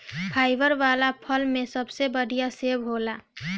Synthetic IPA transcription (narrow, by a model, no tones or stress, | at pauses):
pʰaːɪʋəɾʋaːlapʰəlmẽsəbsebəɽʱijaseːbɦoːlaː